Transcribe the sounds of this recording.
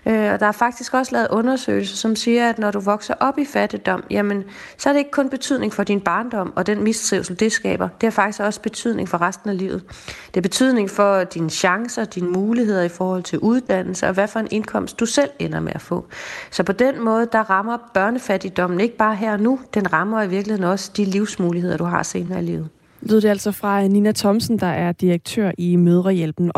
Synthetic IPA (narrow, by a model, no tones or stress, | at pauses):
ʔøɒ̽d̥ɑ̈æɐfɑ̈ɡ̥̚d̥isɡ̥ɒ̽slɛːð̩ˠʔɔ̽nɐsø̰ːɪlsɐsɒ̽msiːɐæd̥nɒɾuʋɒ̽ɡ̥sɐʔɒ̽b̥ifæd̥id̥ɒ̽m̰jæmən | sɒ̽æɐɾe̝e̝ɡ̥ə̥kʰɔ̽nb̥e̝t͡sʰyð̰ˠne̝ŋfɒ̽d̥inb̥ɑ̈ːnd̥ɒ̽m̰ɒ̽d̥enmist͡sʰʁiʊsl̩d̥e̝sɡ̥ɛ̰ːb̥ɐd̥e̝æɐfɑ̈ɡ̥isɡ̥ɒ̽sb̥e̝t͡sʰyð̞̰ˠne̝ŋfɒ̽ʁasd̥n̩ælḭːʊð̩ˠd̥e̝ɐb̥e̝t͡sʰyð̞̰ˠne̝ŋfɒ̽d̥inəɕɑ̈ŋsɐd̥inəmuːliɦe̝ð̞̰ˠɐifɒːhɒ̽l̰t͡sʰe̝lʔuð̞ˠd̥æn̰l̩səɒ̽ʋæfɒ̽e̝nʔe̝nkʰɒ̽m̰sd̥usel̰enɐmeʔæfɔ̰̽ːsɒ̽pʰɒ̽d̥enmɔ̽ːð̞̩ˠəd̥ɑ̈ʁɑ̈mɐb̥ɶɐnəfæd̥id̥ɒ̽m̰n̩e̝ɡ̥əb̥ɑ̈ːɦeɐ̰ɒnud̥enʁɑ̈mɐiʋiɐɡ̥lihe̝nɒ̽sə̥d̥iliʊsmuːlihe̝ð̞̰ˠɐd̥uɦɑ̈se̝ːnɐilḭːʊð̩ˠ | lyð̰ˠdeælsɒfʁɑ̈ninæt͡sʰɒ̽msn̩d̥ɑ̈ʔæɐd̥iʁɐɡ̥̚t͡sʰøɐ̰imøð̞ˠʁɐjelb̥n̩